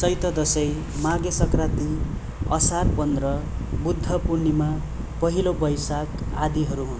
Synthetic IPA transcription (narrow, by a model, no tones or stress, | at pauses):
sʌjt̪ʌd̪ʌsʌj | maɡesʌkrat̪i | ʌsarpʌnd̪ɾʌbud̪ʱːʌpurnima | pʌɦilobʌjsakad̪iɦʌɾuɦun